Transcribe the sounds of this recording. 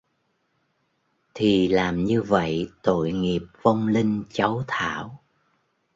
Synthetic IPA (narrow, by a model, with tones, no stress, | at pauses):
t̪ʰi˨˩laː˨˩mɲɨ˧və̰˧˨jt̪o̰˧˨jŋi˨˩əp̚və˧wŋ͡mli˧ŋ̟t͡ɕa˨˦wt̪ʰa̰ː˧˨w